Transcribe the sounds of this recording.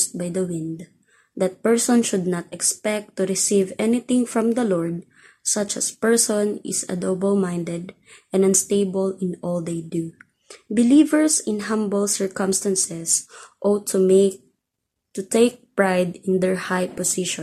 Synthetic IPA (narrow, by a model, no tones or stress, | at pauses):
st̪̚bajd̪ɐwɪ̃nd̪ | d̪ɐt̪̚pɛɹsɔ̃nʃʊd̪̚nat̪ɛkspɛk̚t̪ːuɾɪsivɛnɪt̪ɪ̃ŋfɹɔ̃md̪ɐlɔɹd̪̚ | sʌt͡ʃɐ̰spɛɹsɔ̃nɪ̰sɐ̰d̪obɔlmãjnd̪ɛd̪ | ʔɛ̃nɐ̃nst̪eɪbəlɪ̃nɔld̪ejd̪u | bɪlivɛɹsɪ̃nhãmbəlsɛɹkɔ̃mst̪ãnsɛsʔot̪ʰum | t̪ut̪eɪk̚pɹajd̪ɪ̃nd̪ɛɹhajpɔsɪʃɔ̃